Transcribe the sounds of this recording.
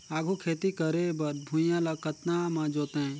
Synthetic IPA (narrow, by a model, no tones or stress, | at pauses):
aːɡʱukʰeːt̪ikəɾebɐɾbʱũjãlɐkət̪namãd͡ʒoːt̪eɛ̃